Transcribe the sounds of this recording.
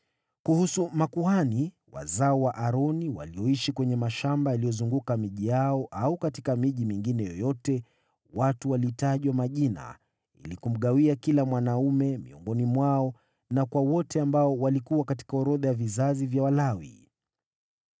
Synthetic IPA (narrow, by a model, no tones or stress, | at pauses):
kuhusumakuani | wa̰zaɔwaʔaɾɔniwa̰lijɔiʃikwɛɲɛmaʃambajalijɔzuŋɡukamiʄijaɔʔaukatikamiʄimiŋɡinɛjɔjɔtɛ | watuwaliːtaʄwamaʄina̰ | ḭlikum̩ɠawiakilamwanaumɛmḭɔ̰ŋɡɔnimwaɔ | nakwawɔtɛambaɔwalikuwakati̥kaɔɾɔðajavizazivjawalawḭ